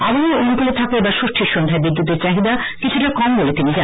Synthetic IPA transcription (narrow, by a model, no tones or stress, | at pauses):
abomeonukolet̪ʰakeebaɾʃoʃʈʰiɾʃond̪ʱaebid̪ːut̪eɾt͡ɕaɦid̪a | kit͡ɕʰuʈakɔmbolet̪inid͡ʑa